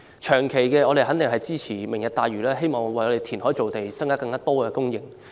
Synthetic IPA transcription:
t͡ʃʰœː˨˩ŋkʰe˨˩jkɛː˧ɔː˨˧ɾe˨ɦɐ˨˥nt̪ɪ˨ŋɦɐ˨jt͡siː˥t͡sʰiː˨˩mɪ˨˩ŋjɐ˨t̚t̪aː˨˧jɥyː˨˩lɛː˥ɦe˥jmɔː˨˩ŋwɐ˨jɔ˨˧ɾe˨˩jt̪ʰiː˨˩nɦɔː˨˥jt͡so˨wt̪e˨jt͡sɐ˥ŋkaː˥kɐ˧ŋkaː˥t̪ɔː˥kɛː˧kʊ˥ŋjɪ˨ŋ

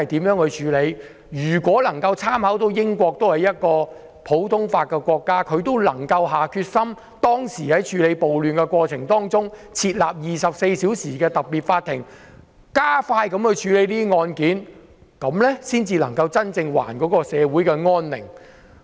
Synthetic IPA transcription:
ɐ˨jt̪i˨˥mjœː˨˥ŋhɵ˨˧jt͡ʃʰyː˨˧le˨˧j | jyː˨˩kʷɔː˨˥lɐ˨˩ŋkɐ˧wt͡sʰaː˥mhɐ˨˥wt̪o˨˧˥wjɪ˥ŋkʷɔː˧k̚t̪o˥whɐ˨jɐ˥t̚kɔː˧ | pʰo˨˥wt̪ʰʊ˥ŋfaː˧t̚kːɛ˧kʷɔː˧kːaː˥kʰɵ˨˧ɥt̪o˥wlɐ˨˩ŋkɐ˧wɦaː˨kʰyː˧t̚sɐ˥m | t̪ɔː˥ŋsiː˨˩hɐ˨˥jt͡ʃʰyː˨˧le˨˧jpo˨wlyː˨˩nkɛ˧kʷɔː˧t͡sʰɪ˨˩ŋt̪ɔː˥ŋt͡sʊ˥ŋt͡sʰiː˧t̚laː˨p̚jiː˨sɐ˨p̚se˧jsiː˨˥wsiː˨˩kɛː˧t̪ɐ˨p̚piː˨˩t̚faː˧t̪ʰːɪ˨˩ŋ | kaː˥faː˧jkɐ˨˥mhɵ˨˧ɥt͡ʃʰyː˨˧le˨˥jliː˥ŋɔː˧nkiː˨˥n | kɐ˨˧˥mlɛ˥siː˥nt͡siː˧lɐ˨˩ŋkɐ˧wt͡sɐ˥nt͡sɪ˧ŋwa̰ː˨˩nkɔː˨˥kɔː˧sɛː˨˧wuː˨˥jkɛ˧ŋɔː˥nlɪ̰˨˩ŋ

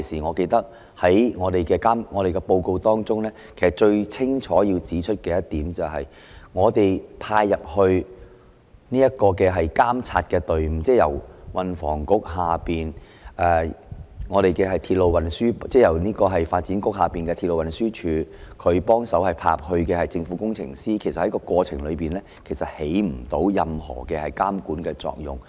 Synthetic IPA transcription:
siː˨˩ŋɔː˨˧ke˧jt̪ɐ˥k̚ | hɐ˨˦˥jŋɔː˨˧t̪e˨jkɛː˧kaː˥mŋɔː˨˧ɾe˨jkɛ˧po˧wko˧wt̪ɔː˥ŋt͡sʊ˥ŋlɛː˥kʰe˨˩sɐ˨˩t̚t͡ʃɵ˧ɥt͡sʰɪ˥ŋt͡ʃʰɔː˨˥jiː˧wt͡siː˨˥t͡ʃʰɵ˥t̚kɛː˧jɐ˥tt̪iː˨˥mt͡sɐ˨wɦɐ̰˨j | ŋɔː˨˧t̪e˨˩jpʰaː˧jːɐ˨p̚hɵ˧ɥ | niː˥jɐ˥t̚kɔː˧kɛː˧ɦɐ˨jkaː˥mt͡sʰaː˧t̚kɛː˧t̪ɵ˨ɥm̩˧t͡sɛː˥˩jɐ̰˨˩wwɐ˨nfɔ̰ː˨˩ŋkʊ˥k̚ɦaː˨piː˨n | ʔɛː˨ŋɔː˨˧ɾe˨jkɛː˧ɦɐ˨jt̪ʰiː˧t̚lo˨˧wɐ˨˩nsyː˥t͡sɛː˥˩jɐ˨˩wniː˥kɔː˧ɦɐ˨jfaː˧t̚t͡si˨˥nkʊ˥k̚haː˨piː˨nkɛː˧iː˧t̚lo˨wɐ˨nsyː˥t͡ʃʰyː˨˧kʰɵ˨˧ɥpɔː˥ŋsɐ˨˥whɐ˨˩jpʰa̰ː˧˥p̚hɵ˧ɥkɛ˧hɐ˨jt͡sɪ˧ŋfuː˨˥kʊ˥ŋt͡sʰɪ̰˨˩ŋsiː˥kʰe˨˩sɐ˨t̚hɐ˨˥jkɔː˧kʷɔː˧t͡sʰɪ̰˨˩ŋlɵ˨˧ɥpiː˨nlɛː˥kʰe˨˩jsɐ˨t̚he˨˥jm̩˨˩t̪o˨˥wjɐ˨mhɔ̰ː˨˩kɛː˧hɐ˨jkaː˥mkuː˨˥nkɛː˧t͡sɔ̰ː˨k̚jʊ̰˨˩ŋ

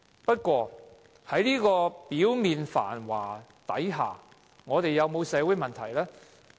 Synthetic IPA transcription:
pɐ˥t̚kʷɔː˧ | hɐ˨˥jliː˥kɔː˧piː˨˥wmiː˨nfa̰ː˨˩nwa̰ː˨˩ | t̪ɐ̰˨˥jɦa̰ː˨ | ŋɔː˨˧t̪e˨jːɐ˨˧wmo˨˧wsɛː˨˧wu˨˥jmɐ˨nt̪ʰɐ˨˩jlɛː˥

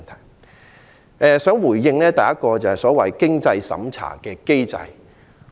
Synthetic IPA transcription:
nt̪ʰɐ˨˩j | ɛː˨sœː˨˥ŋwuː˨˩jːɪ˧ŋlɛː˥t̪ɐ˨jɐ˥t̚kɔː˧t͡sɐ˨˩hɐ˨˩jsɔː˨˥wɐ˨jkɪ˥ŋt͡sɐ˧jsɐ̰˨˥mt͡sʰa̰ː˨˩kɛː˧ke˥jt͡sɐ̰˧j

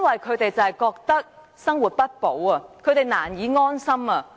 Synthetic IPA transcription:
nwɐ˨jkʰɵ˨˧ɥt̪e˨jt͡sɐ˨hjkɔː˧k̚t̪ɐ˥k̚ | sɐ˥ŋwuː˨t̚pɐ˥t̚po˨˥wɐ˧kʰɵ˨˧ɥt̪e˨˩jnaː˨˩njiː˨˥ŋɔː˥nsɐ˥mɐː˧

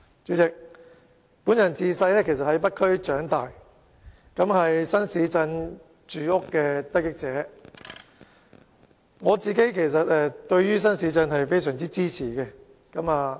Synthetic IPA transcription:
t͡ʃyː˨˥t͡sɪ˨k̚ | puː˨˥njɐ˨˩nt͡siː˧sɐ˧jlɛː˥kʰe˨˩s̬ɐ˨t̚hɐ˨˥jpɐ˥t̚kʰɵ˥ɥt͡ʃœː˨˥ŋt̪aː˨j | kɐ˨˥mhɐ˨jsɐ˥nsiː˨˥t͡sɐ˧n | t͡ʃyː˨ʊ˥kːɛː˧t̪ɐ˥kɪ˥k̚t͡sɛː˨˥ | ŋɔː˨˧t͡siː˨ke˨˥jkʰe˨˩js̬ɐ˨t̚ɛ˨˧t̪ɵ˧ɥjyː˥s̬ɐ˥nsiː˨˧˥t͡sɐ˧nɦɐ˨jfe˥jsœː˨˩ŋt͡siː˥t͡siː˥t͡sʰiː˨˩kɛ˧ | kɐ˨˧˥maː˨˧

